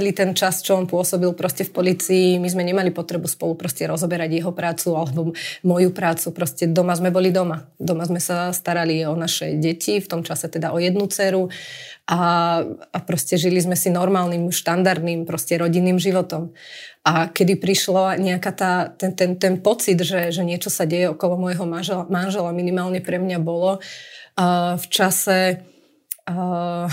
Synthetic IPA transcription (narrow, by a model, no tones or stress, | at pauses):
lit̪ɛnt͡ʃast͡ʃɔɔmpʊɔsɔbilpɾɔscɛfpɔliːt͡siːmizmɛɲɛmalipɔt̪ɾɛbuspɔlupɾɔscɛɾɔzɔbɛɾaɟjɛɦɔpɾaːt͡sualɛbɔmɔjupɾaːt͡supɾɔscɛd̪ɔmazmɛbɔlid̪ɔmad̪ɔmazmɛsast̪aɾaliɔnaʃɛ̰ɟɛcift̪ɔmt͡ʃasɛt̪ɛd̪aʔɔjɛd̪nut͡sɛːɾuʔa | apɾɔscɛʒilizmɛsinɔɾmaːlnimʃt̪and̪aɾd̪niːmpɾɔscɛɾɔɟinːiːmʒiʋɔt̪ɔmakɛd̪ipɾiʃlaɲɛakat̪aːt̪ɛnt̪ɛnt̪ɛnpɔt͡sid̪ʒɛʒɛɲɪɛt͡ʃɔsaɟɛjɛɔkɔlɔmɔjɛɦɔmaʒɛmanʒɛlaminimaːlɲɛpɾɛmɲabɔlɔ | ft͡ʃasɛ